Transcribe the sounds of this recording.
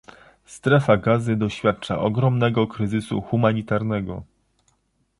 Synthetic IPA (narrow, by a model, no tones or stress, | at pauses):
st̪ɾɛfaɡazɘd̪ɔɕfʲjat̪̚t͡ʂa̰ʔɔɡɾɔmnɛɡɔkɾɘzɘsṵxumaɲit̪aɾnɛɡɔ